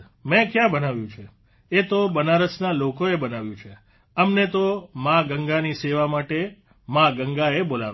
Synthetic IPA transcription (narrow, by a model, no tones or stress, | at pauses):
mɛ̃kjãbənaʋjũt͡ʃʰe | et̪obənaɾəsnalokoebənaʋjũt͡ʃʰe | əmnet̪omãɡəŋɡaniseʋamaʈe | mãɡəŋɡaebola̰ʋ